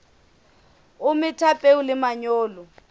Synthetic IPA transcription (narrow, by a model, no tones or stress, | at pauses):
umɪtʰapʼeulɪmaɲɔːlɔ